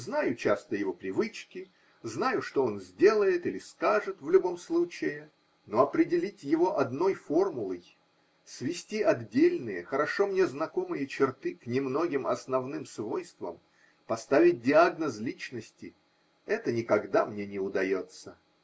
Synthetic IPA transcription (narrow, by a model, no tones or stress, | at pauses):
znajʊt͡ɕast̪əjɪvo̞pɾʲɪvɨt͡ɕkʲɪ | znajʊʂt̪o̞o̞nzʲdʲe̞lˠəjɪt̪ilʲɪskaʐɨt̪vlʲʊbo̞mslˠut͡ɕɪɪ | no̞ɐpɾʲɪdʲɪlʲitʲjɪvo̞ʔɐd̪no̞jfo̞rmʊlˠəj | svʲɪsʲtʲiɐd̪dʲelʲnɨjə̰xəɾɐʂo̞mnʲe̞znɐko̞mɨjət͡ɕɪrt̪ɨknʲɪmno̞ɡʲɪmɐ̰snɐvnɨmsvo̞jst̪və̰m | pɐst̪avʲɪt̚ʲdʲɪaɡnəzlʲit͡ɕnəsʲtʲɪ | ɛt̪ənʲɪkɐɡd̪amnʲe̞nʲɪʊd̪ɐjo̞t̪sə